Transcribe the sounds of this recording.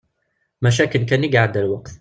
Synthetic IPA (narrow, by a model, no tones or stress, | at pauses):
maʃ̬aːkɪnkaːnjɪɡaʕad̪alwaqt̪